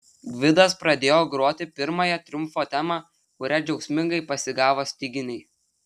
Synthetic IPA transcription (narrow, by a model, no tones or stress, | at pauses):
ɡʋʲɪd̪ɐspɾɐd̪ʲeːjoːɡɾuɔt̪ʲɪpʲɪɾmɐjɛt̪ʲɾʲʊmfoːt̪ʲæmɑː | kʊɾʲæd͡ʒʲɛʊksʲmʲɪŋɡɐɪpɐsʲɪɡɑːʋoːsʲt̪ʲɪɡʲɪnʲɛɪ